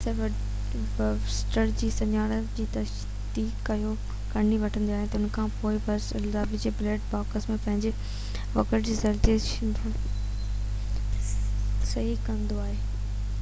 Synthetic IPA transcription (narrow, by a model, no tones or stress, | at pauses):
sɐb | sʈəɾd͡ʑiːsɐɲaːɽəd͡ʑiːt̪ɐs | d̪iːkːɐjo | kɐniʋɐʈʰə̃nd̪iaːɦet̪ɐʊnkʰãːpoːɪbɐɾsɪzaːbid͡ʑebleːʈbaːkəsmẽpɐ̃ɦɪ̃ɲd͡ʑe | ʋɐkəʈd͡ʑiːzɐɾt̪iəʃɪn | sɐɦikɐ̃nd̪oaːɦeː